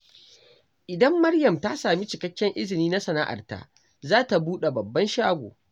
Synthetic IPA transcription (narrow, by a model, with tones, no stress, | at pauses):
ʔɪ˨dɐ˦mːɐ˦rjɐ˨mta˦saː˨mi˦t͡ʃɪ˨kɐ˦kʲːɛ˦ŋʔɪ˦zɪ˨niː˦na˦sɐ˨na̰ː˦ʔa̰˨rta̰˦ | zaː˦ta˨buː˦ɗe˨bɐ˨bːɐ˦nʃaː˦ɡʷo̰ː˨